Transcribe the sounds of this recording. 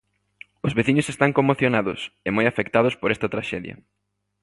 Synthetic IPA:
ʊzβeθiɲʊsest̪aŋkomoθjonaðʊ̰semojafekt̪að̞ʊspoɾɛst̪ɐt̪ɾaʃɛðjɐ̰

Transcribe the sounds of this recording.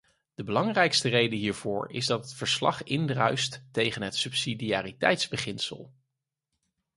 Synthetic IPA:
d̥əbəlɑŋrɛjkstərejdəɦiːɹv̥ʊːɹɪ̰zdɑtətfəɹslɑ̰χɪndrœɥstːejχənɦətsɵpsidiaːritɛ̰jtzbəχɪnsə̰lˠ

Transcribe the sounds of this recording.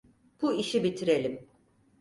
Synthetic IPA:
b̥uiʃibit̪ʰiɾe̞lʲim

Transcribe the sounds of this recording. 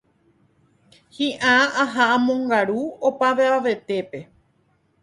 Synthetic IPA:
hĩʔãaɦaʔãmõ̞ŋɡaɾuopaʋeaʋe̞t̪e̞pe̞

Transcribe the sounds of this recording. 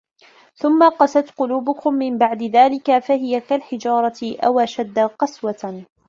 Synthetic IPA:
θʊmːaqɑsat̪qʊluːbʊkʊmːɪmbaʕd̪ɪðaːlɪkafaɦɪjakalħɪd͡ʒɑːɾˤɑtɪʔawʔaʃad̪ːaqɑswa

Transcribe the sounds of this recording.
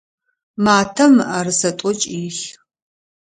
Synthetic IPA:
maːtʰɐmʔaːrɨsɐtʷʼɔt͡ʃʼiːɬ

